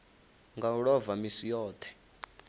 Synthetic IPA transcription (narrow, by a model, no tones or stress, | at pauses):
ŋɡauɺɔvamisijɔːt̪ʰɛ̥